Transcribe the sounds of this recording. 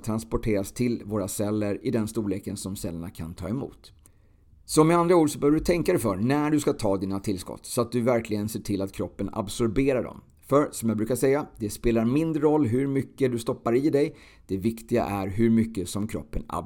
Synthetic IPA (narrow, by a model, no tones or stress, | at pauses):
t̪ʰɾanspɔʈʰeːɾast̪ʰɪlvoːɾasɛlːəɾɪd̪ɛnst̪uːleːkənsɔmsɛlːəɳakʰa̰nt̪ʰɑ̰ːɛmṵːt̪ | sɔmɪand̪ɾauːd̪sɔbœːvɖɵt̪ʰɛŋkad̪ɛfœɾnæɖɵskat̪ʰɑːd̪iːnat̪ʰɪlskɔ̰t̪ːsɔat̪̚d̪ɵvæɾklɪɡənseːʈʰɪlːat̪kʰɾɔpːəna̰bsɔɾbeːɾaɖɔ̰m | fœɾsɔmjabɾʉ̟ːkaʂɛjːad̪ɛspeːlaɾmɪnd̪ɾəɾɔlːɦɵɾmʏkːəd̪ɵst̪ɔpːaɾɪd̪ɛj | d̪̥ɛvɪkt̪ɪɡa̰ʔæɾɦɵɾmʏkːəsɔmkʰɾɔ̰pːəna̰